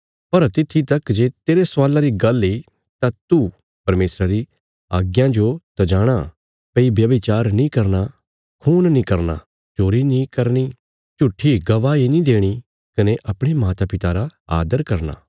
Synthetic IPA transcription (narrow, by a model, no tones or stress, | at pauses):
pɐɾt̪ɪt̪ʰːit̪ɐkd͡ʒeːt̪eːɾeswaːlaɾiɡɐli | t̪at̪u | pɐɾmeːsɾaɾi | aːɡjãd͡ʒot̪ɐd͡ʒaːɽ̃a | peibjɐʋit͡ʃaːɾnĩkɐɾna | kʰuːnnĩkɐɾna̰ | t͡ʃoːɾinĩkɐɾɽ̃i | t͡ʃʊʈʰːiɡɐʋaːinĩd̪eːɽ̃i | kɐneʔɐpɽ̃emaːt̪apɪt̪aɾaa̰ːd̪əɾkɐɾna̰ː